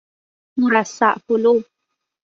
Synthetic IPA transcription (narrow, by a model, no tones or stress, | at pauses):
muɾasaʔpulu